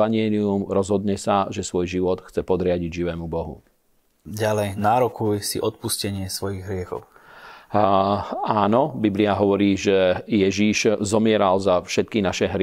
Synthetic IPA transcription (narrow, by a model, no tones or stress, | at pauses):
aɲɪɛːliumɾɔzɦɔd̪ɲɛsaʒɛsʋɔjʒiʋɔt̪xt͡sɛpɔd̪ɾɪaɟiɟʒiʋɛːmubɔɦṵ | ɟalɛjnaːɾɔkujsḭʔɔt̪̚puscɛɲɪɛsʋɔjiɣɦɾɪɛxɔ̰ʊ | aːnɔbibliaɦɔʋɔɾiːʒɛjɛʒiʃzɔmɪɛɾalzafʃɛt̪̚kinaʃɛɦɾɪ